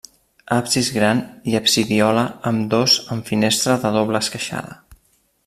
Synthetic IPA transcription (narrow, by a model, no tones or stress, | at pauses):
apsizɣɾaniəpsiðiɔləəmd̪ozəɱfinest̪ɾəðəðoβləːskəʃa̰ðə̰